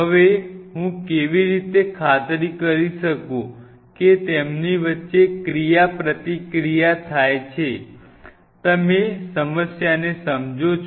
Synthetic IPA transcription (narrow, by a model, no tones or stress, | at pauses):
ɦəʋeɦũkeʋiɾit̪ekʰat̪ɾikəɾiʃəkũ | ket̪emniʋətːʃekɾijapɾət̪ikɾijat̪ʰajt͡ʃʰe | t̪əmesəməsjanesəmd͡ʒot͡ʃʰ